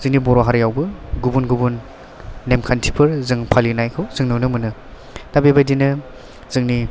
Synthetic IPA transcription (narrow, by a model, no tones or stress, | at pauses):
zɯŋnibɔɾoɦaɾjawbɯɡubunɡubunː | emkʰantʰi̥pʰɯɾzɯŋpʰalinajkʰɯwzɯŋnɯwnɯmɯnɯ | tabebajdinɯ | zɯŋni